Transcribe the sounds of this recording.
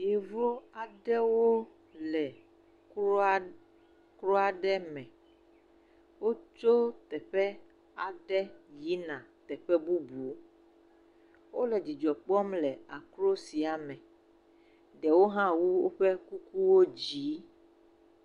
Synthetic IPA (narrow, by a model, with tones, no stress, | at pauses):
je˨vo˦a˨ɖɛ˦wo˦ | lɛ˨˦ | kɾo˦a˨ɖɛ˦mɛ̃˨ | wo˦t͡ʃo˦t̪ɛ˨ɸɛ˦ | a˨ɖɛ˦ji˦nã˨t̪ɛ˨ɸɛ˦bu˦bu˨˦ | wo˦lɛ˨d͡ʑi˨d͡ʒɔ˨k͡pɔ˦mlɛ˨a˨kɾo˦si˨a˨mɛ̃˨ | ɖɛ˨wo˦ɦã˦wu˦wo˦ɸɛ˦ku˦ku˦wo˦d͡ʑi˨˦